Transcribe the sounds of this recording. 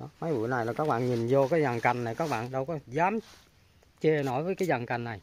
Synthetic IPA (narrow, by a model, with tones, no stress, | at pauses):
ɗɔ˨˦ma˨˦jvṵ˧˩˨na˨˩jlaː˨˩kaː˦˥k̚ɓa̰ː˧˨nɲi˨˩nzo˧kaː˨˦jza˨˩ŋka˨˩jŋ̟na˨˩jkaː˦˥k̚ɓa̰ː˧˨nɗə˧wkɔ˨˦zaː˨˦m | t͡ɕe˧˩nɔ˧˥˦jvəː˨˦jkaː˨˦jza˨˩ŋka˨˩jŋ̟na˨˩j